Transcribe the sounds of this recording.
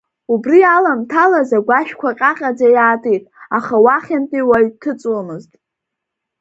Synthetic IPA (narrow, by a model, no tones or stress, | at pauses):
ubrialamtʰalazaɡʷaʃᶣkʷʰaqʲʼaqʲʼad͡zajaːtʼijtʼaχawaχʲantʼiwaɥtʰɨt͡sʼwamɨztʼ